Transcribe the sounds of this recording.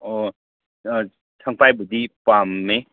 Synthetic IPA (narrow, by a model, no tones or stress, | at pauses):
o | tʰaŋpajbudipamːe